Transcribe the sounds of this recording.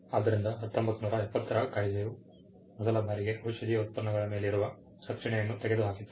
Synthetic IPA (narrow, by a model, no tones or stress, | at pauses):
aːd̪ɐɾind̪ɐɦɐt̪ːombɐt̪ːunuːɾɐɛpːɐt̪ːɐɾakaːjid͡ʒɐju | mɔd̪ɐlɐbʱaːɾiɡe̞ɦowʃɐd̪iːjɐut̪̚pɐɾɐɳɐɡɐɭɐmeːleiɾuʋɐ | sɐkʂɐɳɛjɐnːut̪ɛɡe̞d̪uɦaːkit̪ːu